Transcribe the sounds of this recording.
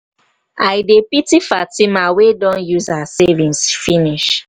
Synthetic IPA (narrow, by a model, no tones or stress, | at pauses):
aɪdepitifatimawedɔ̃njuzaasɛvĩnsfiniʃ